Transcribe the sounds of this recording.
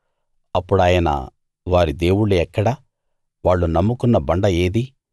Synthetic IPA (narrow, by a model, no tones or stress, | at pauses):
ɐpːuɽaːjɐnɐ̰ | ʋaːɾid̪e̞ːwuɽuɛkːɐɽɐ | ʋaːɭːunɐmːukunːɐbɐɳɖɐeːd̪i